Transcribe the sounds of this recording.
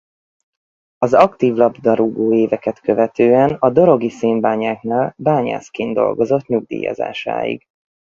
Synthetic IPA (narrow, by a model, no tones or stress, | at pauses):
ɒzɒkt̪iːvlɒbd̪ɒɾuɡoːeːvɛkɛt̪kø̞vɛt̪øːɛnɒd̪o̞ɾo̞ɡiseːmbaːɲaːknaːlbaːɲa̰ːskeːnd̪o̞̰lɡo̞zo̞t̪ɲuɡ̚d̪ḭːjɒ̰za̰ːʃa̰ːjḭɡ